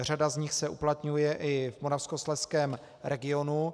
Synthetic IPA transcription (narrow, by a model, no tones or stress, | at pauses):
r̝adazɲɪxsɛʔuplat̪ɲujɛʔɪvmoɾafskoslɛskɛːm | ɾɛɡɪo̞nu